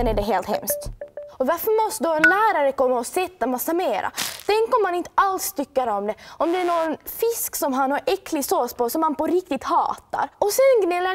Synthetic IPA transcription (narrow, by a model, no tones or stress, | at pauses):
ɛnæɖɛɦeːlt̪hɛ̰mst̪ɔvaɾfœɾmɔst̪əd̪ɔɛnlæːɾaɾəkɔmːaɔsɛt̪ːamasːameːɾa̰t̪ʰɛŋkɔmːanɪnt̪əalst̪ʰʏkːaɾɔmd̪ɛɔmd̪ɛæɳonfɪsksɔmɦanhaɾʔɛkʰːlɪɡsoːspɔsɔmːanpɔɾɪk̚t̪ɪt̪hɑ̰ːt̪a̰ɾɔsɛnɡnɛlːa